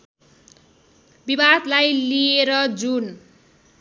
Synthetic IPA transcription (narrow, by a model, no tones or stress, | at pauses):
bibad̪lajlieɾʌd͡zun